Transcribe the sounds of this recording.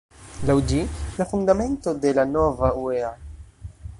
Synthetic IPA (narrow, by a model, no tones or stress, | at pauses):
lawd͡ʒilafund̪amɛ̃ntod̪ɛlanɔvauɛa